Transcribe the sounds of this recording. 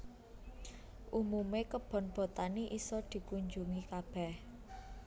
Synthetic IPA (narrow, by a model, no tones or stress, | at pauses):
ʔumumekəb̥ɔ̤nb̥ɔ̤t̪aniʔisɔd̪̥i̤kuɲd͡ʒuŋikab̥ɛh